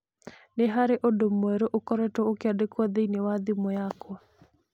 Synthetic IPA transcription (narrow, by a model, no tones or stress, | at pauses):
neɦaɾeʔodomwɛɾoʔokɔɾɛtɔokeadekwaðeinewad̪ɪmɔjakɔ